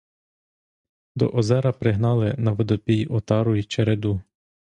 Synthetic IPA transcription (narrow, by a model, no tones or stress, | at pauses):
d̪ɔ̰ʔɔzɛɾɐpɾɪɦnɑlˠɪnɐʋɔd̪ɔpʲijʔɔt̪ɑɾʊit͡ʃeɾed̪u